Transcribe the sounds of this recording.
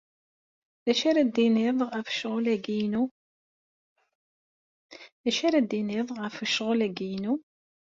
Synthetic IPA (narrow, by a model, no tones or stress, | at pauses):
ðæʃaɾæd̪inɪðˤəfə̥ʃʁʊlæɡijnu | ðæʃaɾæd̪inɪðˤʁəfəʃʁʊlæɡijnu